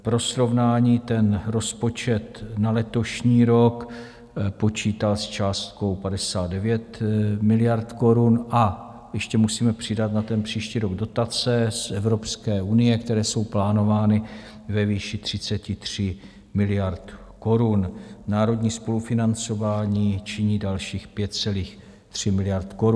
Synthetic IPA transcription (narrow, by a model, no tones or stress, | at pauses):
pɾo̞sɾo̞vnaːɲiːt̪ɛnɾo̞spo̞t͡ʃɛt̪nalɛt̪o̞ʃɲiːɾo̞k | po̞t͡ʃiːt̪alst͡ʃaːst̪ko̞wpadɛsaːd̪̚dɛvjɛt̪mɪlɪjaɾt̪ko̞ɾunʔa | jɛʃcɛmusiːmɛpr̝̥ɪdat̪nat̪ɛnpr̝̥iːʃciːɾo̞ɡdo̞t̪at͡sɛsʔɛvɾo̞pskɛːunɪjɛkt̪ɛɾɛːso̞wplaːno̞vaːnɪ | vɛviːʃɪt̪r̝̥ɪt͡sɛcɪt̪r̝̥ɪ | mɪlɪjaɾt̪ | ko̞ɾunnaːɾo̞dɲiːspo̞lufɪnant͡so̞vaːɲiːt͡ʃɪɲiːdalʃiːxpjɛt̪t͡sɛliːx | t̪r̝̥ɪmɪlɪjaɾt̪ko̞ɾu